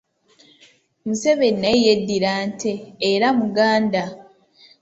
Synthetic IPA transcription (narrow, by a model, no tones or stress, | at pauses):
museβennejedːiɾaːnteːɾamuɡaːnda